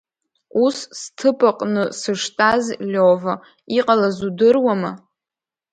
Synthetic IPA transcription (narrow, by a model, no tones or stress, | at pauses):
usstʰɨpʰʼaqʼnɨsɨʂtʼazlʲova | iqʼalazudɨrwama